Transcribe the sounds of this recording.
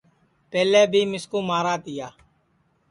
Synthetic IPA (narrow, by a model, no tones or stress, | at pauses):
pɛːleːbʱiːmɪskũːmaːɾaːt̪ɪjaː